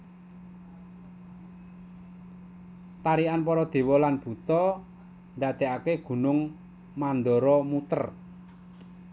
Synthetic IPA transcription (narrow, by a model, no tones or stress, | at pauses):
t̪aɾianp̬ɔɾɔd̪̥e̤wɔlanb̥ṳt̪ɔ | nd̪ad̪̥e̤ʔakeɡ̥ṳnʊŋ | mand̪ɔɾɔmut̪ə̰r